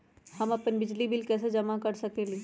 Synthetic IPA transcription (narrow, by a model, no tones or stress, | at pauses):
hɐmɐpənbɪd͡ʒlibɪlkɛːs̬ed͡ʒɐmakɐɾsɐkeleː